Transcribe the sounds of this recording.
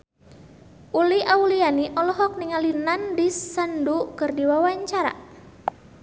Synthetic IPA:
ʔuliʔaulianiʔɔlɔɦɔk̚niŋalinandisandukɨrdiwawaɲt͡ʃaɾa̰

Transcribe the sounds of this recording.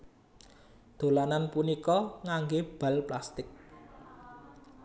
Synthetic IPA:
d̪̥o̤lananpunikɔŋaŋɡeb̥ä̤lplast̪ɪk̚

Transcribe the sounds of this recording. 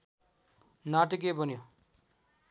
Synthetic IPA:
naʈikebʱʌnjo

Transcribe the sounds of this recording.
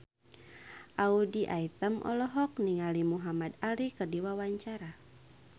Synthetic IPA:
ʔaudiʔait̪əmʔɔ̰lɔɦɔk̚niŋalimuɦamadalikərdiwawaɲt͡ʃaɾa

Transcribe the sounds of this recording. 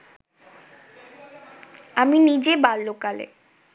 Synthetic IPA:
aminid͡ʑebaɾlokalḛ

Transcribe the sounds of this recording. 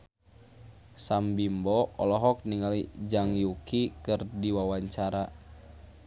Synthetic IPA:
sambimbɔɔlɔɦɔk̚niŋalid͡ʒaŋjukikɨrdiwawaɲt͡ʃaɾa

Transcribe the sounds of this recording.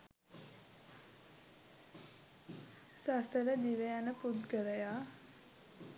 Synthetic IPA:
sast̪əɾəd̪iʋeanəpud̪kəɾəjaː

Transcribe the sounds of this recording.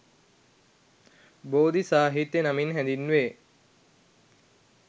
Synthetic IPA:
boːd̪isaːɦit̪jənaminɦænd̪inːʋe

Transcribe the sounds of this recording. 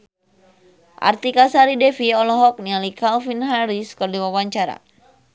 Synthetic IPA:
ʔa̰rt̪ikasaɾidɛfiɔlɔɦɔk̚nialikalfinɦaɾiskɨrdiwawaɲt͡ʃaɾa̰

